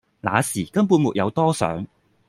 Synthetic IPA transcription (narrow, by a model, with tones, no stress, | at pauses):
la̰ː˨˧siː˨˩kɐ˥mpuː˧nmṵ˨k̚jɐ̰˨˧wt̪ɔː˥sœ̰ː˨˥ŋ